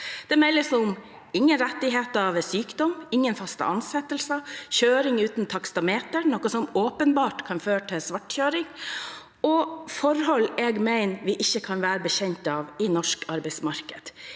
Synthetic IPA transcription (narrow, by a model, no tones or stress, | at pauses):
d̪̥ɛmɛlːəsʊm | ɪŋːənɾɛt̪ːɪɦeːt̪ɑʋsyːkd̪ɔmɪŋːənfɑst̪ə̰ʔɑnsɛt̪ːəlsəçøːɾɪŋʉːt̪nt̪ʰɑkst̪ɑmeːt̪əɾnɔkəsɔmoːpənbɑːʈkʰɑnføːɾəʈʰɪlsʋɑʈçøːɾɪŋ | ʔɔfɔɾhɔlːɛɡmæɪnʋɪʔɪçːəkʰɑnʋæːɾəbəçɛɲt̪ɑʋɪnɔʂkɑɾbɛɪsmɑɾkəd̪̥